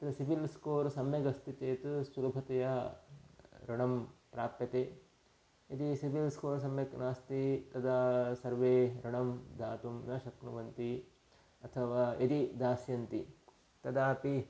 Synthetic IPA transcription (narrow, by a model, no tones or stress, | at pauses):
t̪ɐd̪ɐsibilskoːɾsɐmjɐɡɐst̪ʰit̪eːt̪usulɐbʱɐt̪ɐjɐ | ɾɐɳɐmpɾaːpjɐt̪eː | id̪isiʋilskoːɾs̬ɐmjɐknaːst̪it̪ɐd̪asɐɾʋeːɾɐɳɐmd̪ʱaːt̪umnɐʃɐknuʋɐnt̪i | ɐt̪ʰɐʋaːed̪id̪aːsjɐnt̪i | t̪ɐd̪aːpi